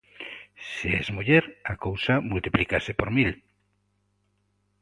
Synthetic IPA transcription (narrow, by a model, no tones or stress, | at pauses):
seezmuʎeɾakowsamult̪iplikasepoɾmil